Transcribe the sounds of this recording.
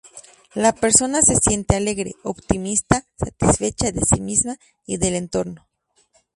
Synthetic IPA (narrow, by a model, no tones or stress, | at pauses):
lape̞ɾso̞nase̞sje̞nt̪eale̞ɣɾe̞̰oβt̪imist̪asat̪isfe̞t͡ʃaðe̞sḭmizma | iðe̞le̞nt̪o̞ɾno̞